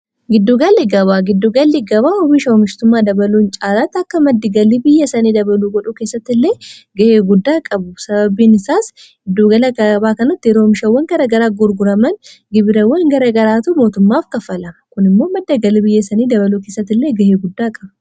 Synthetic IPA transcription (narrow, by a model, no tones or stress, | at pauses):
ɡɪd̪ːuɡɐlːɪɡɐbaːɡɪd̪ːʊɡɐlːɪɡɐβaːʊbɪʃɐʊmɪʃt̪ʊmːaːd̪ɐbɐluːnt͡ʃʼaːlat̪ːɐkːɐmɐd̪ːɪɡɐlibɪjːɐsɐniːd̪ɐbɐluːɡɔᶑʊke̞ːsːɐt̪ːɪlːe̞ː | ɡɐheːɡʊd̪ːaːkʼɐbʊsɐbɐbiːnɪsaːs | ɪd̪ːuɡɐlɐkɐɐbaːkɐnɐt̪ːɪjɛɾoːmɪʃɐwːɐŋɡɐɾɐɡɐɾaːɡʊɾɡʊɾɐmɐn | ɡɪbɪɾɐwːɐŋɡɐɾɐɡɐɾaːt̪ʊmo̞ːt̪ʊmːaːfkɐfɐlɐmɐkʊnɪmːo̞ːmɐd̪ːɐɡɐlɪbɪjːɐsɐniːd̪ɐbɐluːkeːsːɐt̪ːɪlːeːɡɐheːɡʊd̪ːaːkʼɐbɐ